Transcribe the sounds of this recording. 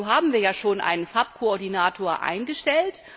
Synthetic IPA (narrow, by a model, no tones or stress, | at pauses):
ɦaːbm̩viːɐjaːʃoːnʔa̰ɪnənfap̚kʰoɔɐdinaːtʰoːɐʔa̰ɪnɡəʃtɛlt